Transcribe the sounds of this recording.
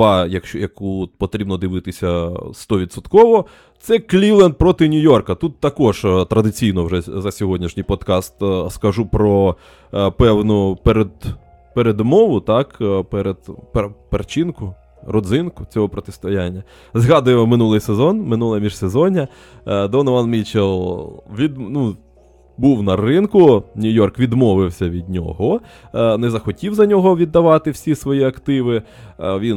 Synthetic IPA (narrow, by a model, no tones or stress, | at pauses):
ɑjɐkɔjɐkuɔt̪̚pɔt̪ɾʲibnɔd̪ɪʋɪt̪ɪsʲɐst̪ɔʋʲid̪sɔt̪kɔʋɔ | t̪sɛklʲiwlˠɛnd̪̚pɾɔt̪ɪnʲʊjɔrkɐt̪ut̪ːɐkɔʒt̪ɾɐd̪ɪt͡sʲijnɔwʐɛzɐsʲɔɦɔdʲnʲiʃnʲijpɔd̪kɑst̪skɐʒupɾɔ | pɛwnʊpeɾed̪ | peɾed̪mɔʋʊt̪ɑkpɛɾed̪̥ppert͡ʃinkʊ | rɔd̪zɪnkʊt͡sʲɔɦɔpɾɔt̪ɪst̪ɔjanʲːɐ | zɦɑd̪ʊjemɔmɪnulˠɪjsezɔnmɪnulˠɐmʲiʒsezɔnʲɐ | d̪ɔnɪʋɑnmʲit͡ʃelˠʋʲid̪nu | buwnɐrɪnkʊnʲʊjɔrkʋʲid̪mɔʋɪwsʲɐʋʲid̪̚ʲnʲɔ̰ɦɔ | nɛzɐxɔtʲiwzɐnʲɔɦɔʋʲid̪ːɐʋɑt̪ɪwsʲisʋɔjiɐkt̪ɪʋɪ | ʋʲin